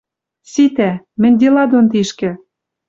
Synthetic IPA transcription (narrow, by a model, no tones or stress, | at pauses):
sit̪æ | mɘ̆nʲd̪ʲelɑd̪ont̪iʃkɘ̆